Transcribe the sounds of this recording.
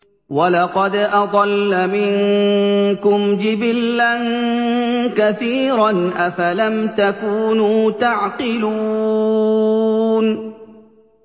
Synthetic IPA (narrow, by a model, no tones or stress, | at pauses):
walɑqɑd̪ʔɑd̪ˤɑlːamɪŋ | kʊmd͡ʒɪbɪlːan | kaθiːɾanʔafalamt̪akuːnuːt̪aʕqɪluː | n